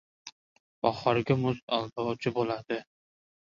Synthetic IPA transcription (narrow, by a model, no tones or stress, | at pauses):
ɒχɑɾɡʲamʊst̪alˠb̪ɒɒt͡ʃʰɪbolad̪̥ɪ